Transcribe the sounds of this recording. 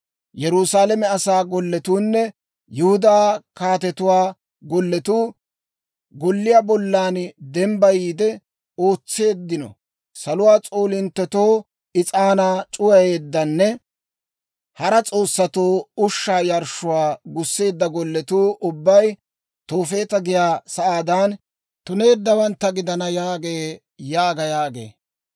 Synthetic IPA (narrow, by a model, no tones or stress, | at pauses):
jɛɾʊsaːlɛmɛɐsaːɡɔlːɛt̪uːnːɛ | jʊhʊd̪aːkaːt̪ɛt̪ʊwaː | ɡɔlːɛt̪uː | ɡɔlːɪjabɔlːaːnd̪ɛmbɐjiːd̪ɛ | o̞ːt͡sːe̞ːd̪ːɪnɔ̰ | sɐlʊwaːt͡sʼoːlɪnt̪ːɛt̪oː | ɪt͡sʼaːnaːt͡ʃʼʊjɐjeːd̪ːɐnːɛ | hɐɾɐt͡sʼo̞ːsːɐt̪oːʊʃːaːjɐɾʃʊwaːɡʊsːe̞ːd̪ːɐɡɔlːɛt̪uːʔʊbːɐj | t̪o̞ːfe̞ːt̪ɐɡɪjaːsɐʔaːd̪aːn | t̪ʊne̞ːd̪ːɐwɐnt̪ːɐɡɪd̪ɐnɐjaːɡe̞ː | jaːɡɐjaːɡḛː